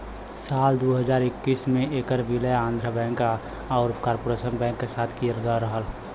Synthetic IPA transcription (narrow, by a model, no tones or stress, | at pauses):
saːld̪oːɦəzaːɾɪkːiːsmẽeːkəɾbiləjãːnd̪ʱɾəbɛ̃ːŋka | aːɾkaːɾpoːɾeːsənbɛ̃ːŋkːesaːt̪ʰkijəɾɡaɾəɦəl